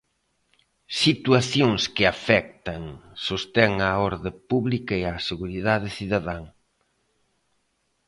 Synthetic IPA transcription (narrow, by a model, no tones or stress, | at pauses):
sit̪uaθjoŋskɪafɛk̚t̪ɐŋsost̪ɛŋaɔɾðɪpuβlikɐeaseɣuɾiðaðɪsiðaðaŋ